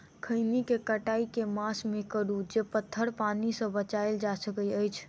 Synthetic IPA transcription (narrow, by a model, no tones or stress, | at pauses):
kʰəɪnikekəʈaikemasmekəɾud͡ʒepət̪ʰːəɾpanisə̃bət͡ʃaeld͡ʒasəkəjəjt͡ʃʰ